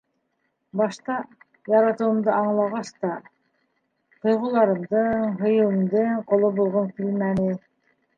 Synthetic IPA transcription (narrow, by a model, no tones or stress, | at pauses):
bɑʃt̪ɑ | jɑɾɑt̪ɯwɯmd̪ɯɑɴlˠɑʁɑst̪ɑ | t̪ʰɯjʁulˠɑɾɯmd̪ɯnhɯjɯlˠɯmd̪ɯnqʰolˠobolˠʁonfilʲmæni